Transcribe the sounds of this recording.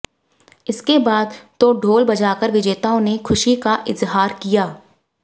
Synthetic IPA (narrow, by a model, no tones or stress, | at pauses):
ɪskebaːd̪t̪oɖʱoːlbɐd͡ʒaːkəɾʋɪd͡ʒeːt̪aːõnekʰʊʃikaʔɪzɦaːɾkijaː